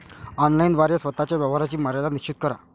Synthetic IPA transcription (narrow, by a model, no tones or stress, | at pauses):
ɔnlajnd̪ʋaɾjəsʋət̪at͡ɕjaʋjəʋ̤aɾat͡ɕiːməɾjalanikt͡ɕit̪̚kəɾa̰